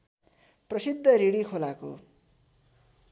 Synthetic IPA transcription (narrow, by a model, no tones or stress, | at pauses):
prʌsid̪ʱːʌɾiɽikʰolako̰